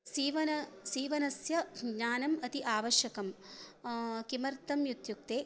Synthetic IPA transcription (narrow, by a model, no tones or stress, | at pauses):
siːʋɐnɐsiːʋɐnɐsjɐɡɲaːnɐmɐt̪iʔaːʋɐʃjɐkɐm | kimɐɾt̪ɐmjut̪juk̚t̪eː